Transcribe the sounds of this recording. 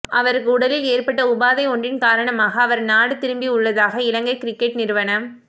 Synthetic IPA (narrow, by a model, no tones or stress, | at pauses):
ʔɐʋɐɾɯkːɯʊɽɐlɪleːrpɐʈːɐʊbaːðɐɪɔɳɖrɪnkaːɾɐɳɐmaːɣɐːʋɐɾnaːɽɯt̪ɪɾɯmbiʊɭːɐðaːɣɐɪlɐŋɡɐɪkɪɾɪkːɛʈnɪɾɯʋɐnɐm